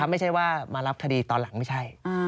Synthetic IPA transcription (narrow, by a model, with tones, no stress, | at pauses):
a˦˥ma˥˩jt͡ɕʰa˥˩jwaː˥˩maː˧ɾa˦˥p̚k̪ʰa˧diː˧t̪ɔː˧nla˨˩˦ŋma˥˩jt͡ɕʰa˥˩ja˧